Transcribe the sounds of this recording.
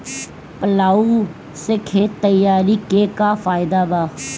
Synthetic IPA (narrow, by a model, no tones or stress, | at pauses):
pəlaːuː | sekʰeːt̪əjaːɾiːkeːkafaːɪd̪aːbaː